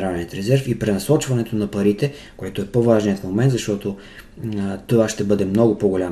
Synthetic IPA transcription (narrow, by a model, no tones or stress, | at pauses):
ɾaniət̪ɾɛzɛɾfipɾɛnɐsɔt͡ʃvɐnɛt̪onɐpɐɾit̪ɛ | koɛt̪oɛpovaʒnijət̪fmomɛ̃nt̪zɐʃt̪ɔt̪o | t̪ovaʃt̪ɛbɤd̪ɛmnɔɡʊpoɡolʲa